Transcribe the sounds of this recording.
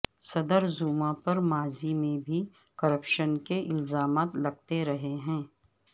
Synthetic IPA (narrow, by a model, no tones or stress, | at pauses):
sɐd̪əɾzuːmãpɐɾmaːzimẽbʱi | kɐɾəpʃənkeʔɪlzaːmaːt̪lɐɡ̚t̪eɾɐɦeɦɛ̃ː